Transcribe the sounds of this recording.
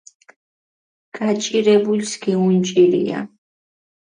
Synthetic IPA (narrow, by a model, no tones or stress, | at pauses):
kʰʼat͡ʃʼɪɾebʊʎskɪʊnt͡ʃʼɪɾḭja̰